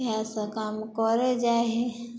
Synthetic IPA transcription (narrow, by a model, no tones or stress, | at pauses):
jasakamkɔɾed͡ʒaːɦe